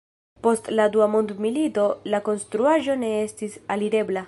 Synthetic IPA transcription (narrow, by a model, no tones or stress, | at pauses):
po̞stladuamo̞ndmilito̞lako̞nstɾuaʒo̞ne̞e̞stisaliɾe̞bla